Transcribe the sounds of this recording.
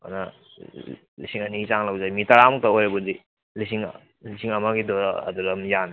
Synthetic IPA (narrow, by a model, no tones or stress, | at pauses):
a̰nɐ | lḭsiŋɐnit͡ʃaŋlɐwd͡ʒamitɐɾamuk̚taojɾɐbudi | lisiŋ̰ | lisiŋɐmaɡidoaɐ̰duɾɐmjan